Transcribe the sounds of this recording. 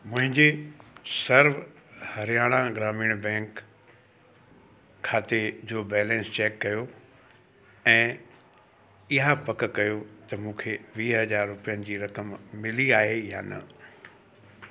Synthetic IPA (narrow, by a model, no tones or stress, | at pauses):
mʊ̃ɦɪ̃ɲd͡ʑesɐɾʋ | hɐɾijaːɽ̃ãɡɾaːmiːɽ̃bɛ̃ːŋk | aːt̪ed͡ʑoːbɛːlɛ̃ːnst͡ɕɛːkːɐjo | ɛ̃ː | ɪɦapɐkkɐjot̪ɐmũːkʰeʋiːɦɐd͡ʑaːɾːʊpijənɪ̆d͡ʑiːɾɐkəmmɪliaːɦeja̰ːnɐ̰